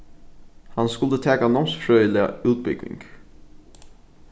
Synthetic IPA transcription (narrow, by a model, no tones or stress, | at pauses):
hɑnskʊld̪ət̪ʰɛːkanɔmsfɾœːʏəlɪə̰ʉːt̪̚bʏɡ̥ʋɪ̰ŋɡ̥